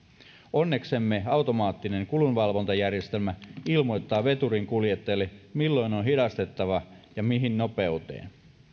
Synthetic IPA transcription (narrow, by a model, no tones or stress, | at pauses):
o̞nːe̞ksemːeɑwt̪o̞mɑːt̪ːine̞ŋkulunʋɑlʋo̞nt̪ɑjærjest̪e̞lmæilmo̞jt̪ːɑːʋe̞t̪uɾiŋkuljet̪ːelːimilːo̞jnonɦidɑst̪e̞t̪ːɑʋɑjɑmiɦinnope̞ut̪ḛːn